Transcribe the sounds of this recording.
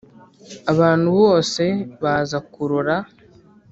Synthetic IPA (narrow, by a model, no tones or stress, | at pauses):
aβaːn̥huβo̞ːse̞βaːzakuɾuɾa